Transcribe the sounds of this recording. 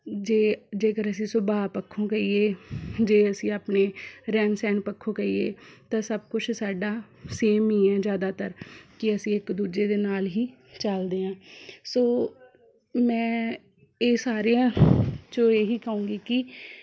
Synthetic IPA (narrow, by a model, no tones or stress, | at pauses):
d͡ʒeːd͡ʒeːkəɾəs̬ĩːsʊbaːpəkʰːõːkəiːeːd͡ʒeːəsĩːaːpneːɾɛːnsɛːnpəkʰːõːkəḭːḛːt̪ãːsəbkʊt͡ʃʰsaːɖaː | seːmĩːɛ̃ːd͡ʒjaːd̪aːt̪əɾkɪəsĩːɪkd̪uːd͡ʒeːd̪eːnaːlɦiː | t͡ʃəld̪eːãːsoː | mɛ̃ː | eːsaːɾejãːt͡ʃõeːɦiːkəũːŋɡiːkɪ